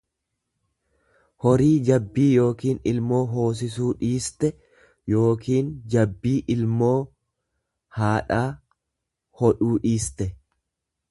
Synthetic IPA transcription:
hɔɾiːd͡ʒɐbːiːjo̞ːkiːnɪlmo̞ːɦo̞ːs̬ɪs̬uːᶑiːst̪ɛ | jo̞ːkʰiːnd͡ʒɐbːiːʔɪlmo̞ː | haːᶑaː | hɔᶑuːᶑiːst̪ɛ

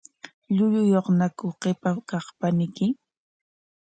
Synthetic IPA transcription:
ʎʊʎʊjoχnakʊqepakɑχpanɪkɪ

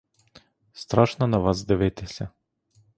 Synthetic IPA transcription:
st̪ɾaʃnanavazd̪ɛvɛt̪ʰɛsʲɛ

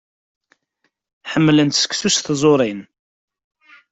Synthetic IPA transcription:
ħəmːlənt̪sə̥kθusθzˤoɾˤin

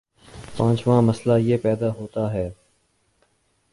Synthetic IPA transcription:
pãːt͡ʃʋãːməslaːjeːpɛːd̪aːɦoːt̪aːɦɛː

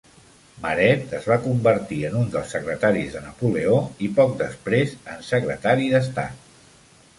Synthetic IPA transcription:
məɾɛt̪əzβakumbəɾt̪iənund̪əlˠsːəkɾət̪aɾizðənəpuleoipɔk̚d̪əspɾezənsəkɾət̪aɾiðəs̬t̪a̰t̪

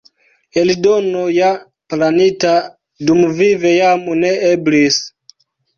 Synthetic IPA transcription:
elidonoja | planita | dumvivejamuneeblis

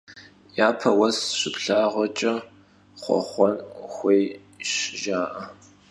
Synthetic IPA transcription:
jaːpʰɐwɐsɕɪpɬaːʁʷɔt͡ʃʼɐ | χʷɔ̰χʷɔnxʷej | ʃʒaːʔɐ

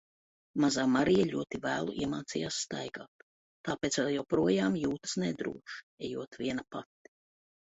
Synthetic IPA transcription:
mazaːmaɾijɛʎʲuɔt̪ivæːlˠṵʔiɛmaːt̪sijaːsːt̪a̰jɡaːt̪ | t̪aːpeːt̪svɛlˠjawpɾuɔjaːmjuːt̪ə̥sned̪ɾṵɔʃ | ɛjuɔt̪vʲiɛnapat̪ːi̥

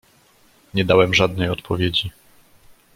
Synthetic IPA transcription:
ɲɛd̪awɛmʐad̪̚nɛjɔt̪pʰɔvʲjed͡ʑi

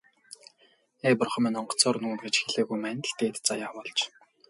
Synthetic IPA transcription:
eːpʊrχə̆mæːnɔɴɢɞ̥̆t͡sɔːrnuːnɡet͡ɕxiɮeːɣujmæːnʲt̪t̪eːt̪t͡sajaːpɔɮt͡ɕ

